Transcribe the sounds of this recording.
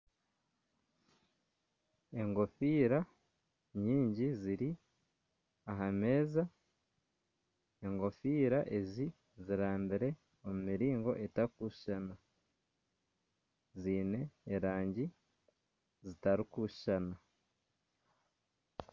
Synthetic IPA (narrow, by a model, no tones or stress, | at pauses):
e̞ŋɡo̞fiːɾa | ɲiːɲɟiziɾi | aɦame̞ːza | e̞ŋɡo̞fiːɾaʔe̞zi | ziɾaːmbiɾe̞ | omumiɾiːŋɡo̞ʔe̞taɾikuʃʃana | ziːne̞ːɾaːɲɟi | zitaɾikuʃʃana